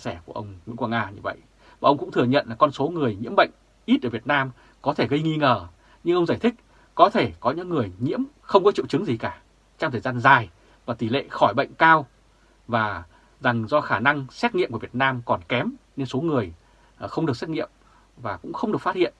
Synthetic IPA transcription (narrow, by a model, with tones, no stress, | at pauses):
sɛ˧˩ku˧˩əʔə˧wŋ͡mŋwḭ˧˥ŋkwaː˧ŋaː˧ɲɨ̰˧və̰˧˨jʔ | vaː˨˩ʔə˧wŋ͡mkʊ̰˧˥ŋ͡mt̪ʰɨ˨˩əɲə̰˧˨nlaː˨˩kɔ˧nso˨˦ŋɨ˨˩əjɲḭ˧˥əmɓə̰˧˨jŋ̟ | ʔi˦˥t̚ʔə˧˩vi˨˩ət̚naː˧m | kɔ˨˦t̪ʰe˧˩ɣə˧jŋi˧ŋəː˨˩ | ɲɨ˧ŋʔə˧wŋ͡mzaː˧˩jt̪ʰï˦˥k̟̚ | kɔ˨˦t̪ʰe˧˩kɔ˨˦ɲɨ̰˧˥ŋːɨ˨˩əjɲḭ˧˥əm | xə˧wŋ͡mkɔ˨˦t͡ɕḭ˧˨wt͡ɕɨ˨˦ŋzi˨˩kaː˧˩ | t͡ɕɔ˧ŋ͡mt̪ʰəː˨˩zaː˧nzaː˨˩j | vaː˨˩t̪i˧˩lḛ˧˨xɔ˧˩jɓə̰˧˨jŋ̟kaː˧w | vaː˨˩ | za˨˩ŋzɔ˧xaː˧˩na˧ŋsɛ˦˥t̚ŋḭ˧˨mku˧˩˨vi˨˩ət̚naː˧mkɔ˨˩nkɛ˨˦mne˧nso˨˦ŋɨ˨˩əj | xə˧wŋ͡mɗɨ˨˩ək̚sɛ˦˥ŋḭ˧˨əm | vaː˨˩kʊ̰˧˥ŋ͡mxə˧wŋ͡mɗəkfa˦˥t̚hḭ˧˨ən